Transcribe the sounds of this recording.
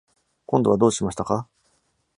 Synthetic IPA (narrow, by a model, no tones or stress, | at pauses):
kõ̞nd̪o̞βad̪o̞ːɕimaɕi̥t̪aka